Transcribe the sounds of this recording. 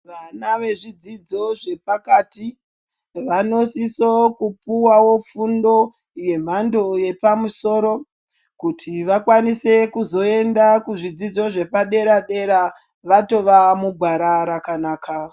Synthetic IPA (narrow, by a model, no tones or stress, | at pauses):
ʋanaʋe̞ʐid͡zid͡zo̞ʐe̞pakaːti | ʋano̞sisokupuwawofundo̞ | je̞m̤ando̞je̞pamuso̞ːɾo̞ | kutʰiʋakwanise̞kuzo̞e̞ndakuʐid͡zid͡zo̞ʐe̞paɗe̞ɾaɗe̞ɾa | ʋato̞ʋamuɡʱwaɾaɾakanaːka